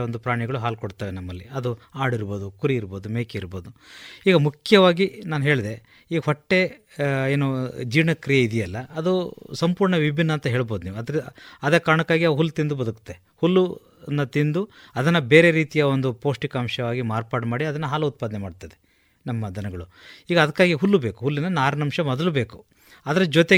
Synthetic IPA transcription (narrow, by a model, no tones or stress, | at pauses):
ond̪upɾaːɳiɡɐɭuɦaːlkoɽt̪aːʋenɐmːɐlːiɐd̪uaːɽiɾbo̞ːd̪ukuɾiːɾbo̞ːd̪umeːkeiɾbo̞ːd̪uiːɡɐmukʰjɐʋaːɡinaːnuɦe̞ːɭd̪e̞ | iːɡɐɦɔʈːe̞ | eːnud͡ʒiːʋɳɐkɾijɐid̪ijɐlːɐːd̪usɐmpuːɾɳɐʋibʱinːɐːnt̪ɐɦe̞ːɭbo̞ːd̪uniːʋuɐd̪ɾɐd̪eːkaːɾɐɳɐkːaːɡiɐʋɦulːt̪ind̪ubɐd̪uku̥t̪ːe | hulːu | nːɐt̪ind̪uɐd̪ɐnːɐbe̞ːɾe̞ɾiːt̪ijɐond̪upo̞ːʂʈikaːmʂɐʋaːɡimaːɾpaːɖmaːɽiɐd̪ɐnːɐɦaːlɐut̪̚paːd̪nɛmaːɖt̪ːɐd̪e | nɐmːɐd̪ɐnɐɡɐɭuiːɡɐːd̪ɐkːaːɡiɦulːube̞ːku̥ɦulːinːɐnːaːɾɐnɐmʃɐmɔd̪ɐlube̞ːku̥ | ɐd̪ɐɾɐd͡ʒɔt̪e